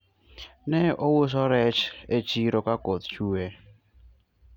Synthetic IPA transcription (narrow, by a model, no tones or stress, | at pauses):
nɛʔowos̬ɔɾɛt͡ʃet͡ʃiɾokakot̪̚t͡ʃue